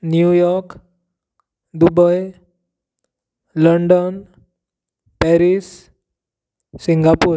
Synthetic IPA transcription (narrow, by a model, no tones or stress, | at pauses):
njujɔɾk | d̪ubɔj | lɔɳɖɔn | pɛɾis | iŋɡapuɾ